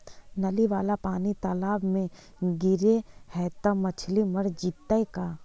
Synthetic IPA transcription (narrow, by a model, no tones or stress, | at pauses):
nɐliʋaːlapaːnit̪ɔːlaːbmẽ | ɡɪɾehɛːt̪əmɐt͡ʃʰliməɽd͡ʒiːt̪ːaekaː